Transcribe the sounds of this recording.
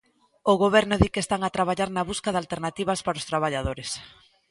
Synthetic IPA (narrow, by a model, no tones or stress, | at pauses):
oɣoβɛɾnʊðikest̪aŋat̪ɾaβaʎaɾnaβuskaðalt̪eɾnat̪iβɐspaɾost̪ɾaβ̞aʎaðoɾes